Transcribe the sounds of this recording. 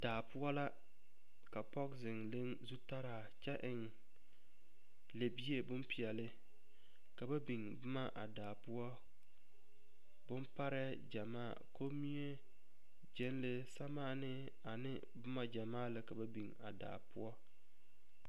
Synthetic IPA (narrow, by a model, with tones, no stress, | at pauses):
daː˨pʊ˦ɔ˦la˦ | ka˨pɔ˦kzɪ˨ŋlɨ˦nzu˦ta˦ɾa˨ | t͡ʃɛ˦ʔɪ˨ŋ | le˨bi˦e˦bʊ˦mpi˨ɛ˨lɪ˦ | ka˨ba˦bi˨ŋbʊ˦ma˦ʔa̰˨daː˨pʊ˦ɔ˦ | bʊ˦mpa˦ɾɛ˦ | d͡ʒa˨maː˦˨ko˦mi˦e˦ | d͡ʒɛ˦n˦lɪ˦sa˦maː˦nɪ˦ | a˨nɪ˦ | bʊ˦ma˦d͡ʒa˨maː˦lɪ˦ka˨ba˦bi˨ŋa̰˨da̰ː˨pʊ˦ɔ˦